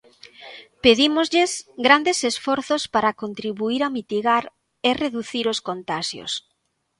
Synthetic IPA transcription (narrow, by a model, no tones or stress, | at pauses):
peðimozʎesɡɾand̪esesfɔɾθospaɾakont̪ɾiβuiɾamit̪iɣaɾ | ereðuθiɾoskont̪aʃjo̰s